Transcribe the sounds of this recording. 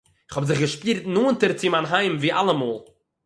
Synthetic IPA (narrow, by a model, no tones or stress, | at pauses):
ɪ̥χhɔbzɪχɡəʃpiːɾtnuːntəɾt͡sɪmaːnɦaɪmviːʔalˠəmoːlˠ